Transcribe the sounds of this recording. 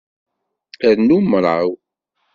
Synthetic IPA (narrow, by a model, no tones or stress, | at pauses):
əɾnumɾˤaw